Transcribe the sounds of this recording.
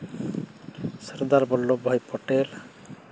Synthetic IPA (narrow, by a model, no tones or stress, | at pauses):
səɾd̪aɾbɔlːobʱɔjpɔʈel